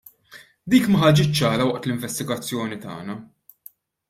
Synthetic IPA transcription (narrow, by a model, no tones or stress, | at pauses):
d̪iːkmɐħɐd͡ʒɪt͡ʃːt͡ʃːɐːɾɐwɐʔt̪lɪɱvɛst̪ɪɡɐt͡sːjɔːnit̪ɐ̰ːnɐ